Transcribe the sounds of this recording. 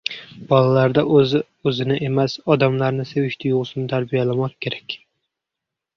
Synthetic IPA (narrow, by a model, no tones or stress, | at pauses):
b̥ɒlalaɾd̪azɪ | ɵzɪnɪʔe̞masɒd̪amlaɾnɪsewɪʃt̪ʰɪjʊʁsɪnɪt̪ʰaɾbijalamɒt̪kʲʰe̞ɾakʲ